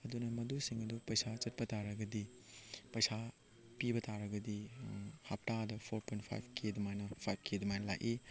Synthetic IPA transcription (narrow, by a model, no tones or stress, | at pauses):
ɐdunɐmɐdusiŋɐdupɐjsat͡ʃɐt̚pɐtaɾɐɡɐdipɐjsa | pibɐtʰaɾɐɡɐdihap̚tadɐpʰoɾpʰojntpʰa̰jp̚ʰkʰedɐmajnɐpʰajp̚ʰkʰedumajnɐla̰jʔi